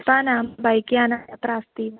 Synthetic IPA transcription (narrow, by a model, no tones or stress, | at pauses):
panambajkjanaapɾast̪i